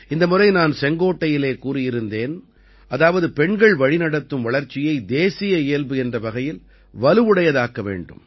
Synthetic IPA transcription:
ɪnd̪ɐmɯrɐɪnaːnsɛŋɡoːʈːɐjɪleːkuːrɪjɪɾɯnd̪eːn | ʔɐðaːʋɐðɯpɛɳɡɐɭʋɐɻɪnɐɽɐt̪ːɯmʋɐɭɐɾt͡ʃːɪjɐɪd̪eːsɪjɐejɐlbɯɛndrɐʋɐɣɐjɪl | ʋɐlɯʋɯɽɐjɐðaːkːɐʋḛːɳɖɯ̰m

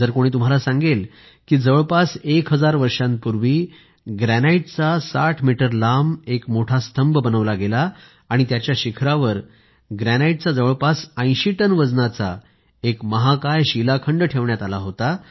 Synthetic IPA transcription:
d͡zəɾkoɽ̃iːt̪um̤alasãŋɡel | kiːd͡zəʋəɭpasekɦəd͡zaɾʋəɾʂãn̚puɾʋiː | ɡɾænaiʈ̚t͡sasaʈʰmiʈəɾlamekmoʈʰast̪ʰəmbbənəʋlaɡelaː | ɽ̃it̪jat͡ɕjaɕikʰɾaʋəɾ | ɡɾænaiʈ̚t͡sad͡zəʋəɭpasə̃j̃ɕiʈənʋəd͡znat͡sa̰ | ekməɦakajɕilakʰəɳɖʈʰeʋɳjat̪alaɦot̪a

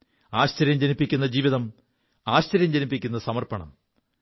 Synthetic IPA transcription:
aːɕt͡ɕɐɾjɐmd͡ʑenipːikʲːunːɐd͡ʑiːʋiðɐm | aːɕt͡ɕɐɾjɐmd͡ʑenipːikʲːunːɐsɐmɐrpɐɳɐ̰m

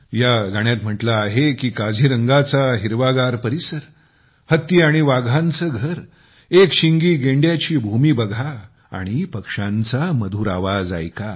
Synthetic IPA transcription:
jaɡʱaɳjat̪m̤əʈlaːɦekiːkad͡zʱiːɾəŋɡat͡saɦiɾʋaɡaɾpəɾisəɾ | hət̪ːiaɽ̃iʋaɡʱãnt͡səɡʱəɾ | ekɕiŋɡiːɡeɳɖjat͡ɕiːbʱumiːbəɡʱa̰ː | ɽ̃ipəkʂãnt͡saməd̪ʱuɾa̰ʋad͡za̰jka

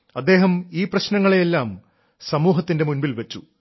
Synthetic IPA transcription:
ɐd̪ːe̞ːɦɐmiːprɐɕnɐŋːɐɭejelːaːm | sɐmuːɦɐt̪ːinde̞munbilʋɐt͡ɕːu

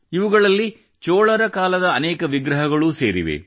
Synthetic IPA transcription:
iʋuɡɐɭɐlːi | t͡ʃoːɭɐɾɐkaːlɐd̪ɐːnɛːkɐʋiɡɾɐɦɐɡɐɭuseːɾḭʋḛ

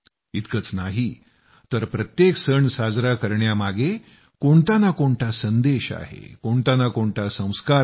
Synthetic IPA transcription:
it̪kət͡snaɦi | t̪əɾpɾət̪jeksəɳsad͡zɾakəɾɳjamaɡe | koɳt̪anakoɳʈasənd̪eɕa̰ɦḛkoɳt̪anakoɳʈasə̃w̃ska

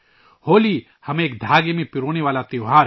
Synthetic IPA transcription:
hoːliː | hɐmẽːk̚d̪ʱaːɡemẽpɪɾoːneʋaːlat̪eoɦaːɾ

